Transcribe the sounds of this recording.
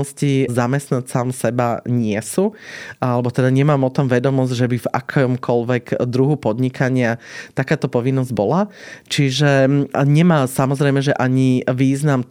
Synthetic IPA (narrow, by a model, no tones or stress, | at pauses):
ɔscizamɛst̪nat̪saːmsɛbaɲɪɛsuʔalɛbɔt̪ɛd̪aɲɛmaːmɔt̪ɔmʋɛd̪ɔmɔzɟʒɛbiva̰kʰɔmkʰɔlʋɛɡd̪ɾuɦupɔd̪ɲikʰaɲɪat̪akaːt̪ɔpɔʋinːɔzɟbɔlat͡ʃiʒɛɲɛmaːsamɔzɾɛɪmɛʒɛʔaɲiʋiːznam